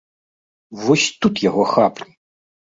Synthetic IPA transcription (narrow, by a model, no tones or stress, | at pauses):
vɔsʲt̪ut̪jaɣɔxapʲ